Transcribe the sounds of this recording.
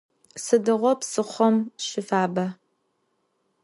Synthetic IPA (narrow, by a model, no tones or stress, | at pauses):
sɨdɨʁʷɔpsɨχʷɔmɕɪfaːbɐ